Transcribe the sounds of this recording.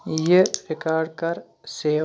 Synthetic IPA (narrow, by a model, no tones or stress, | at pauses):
jefɪkaːɽkɐɾ | seː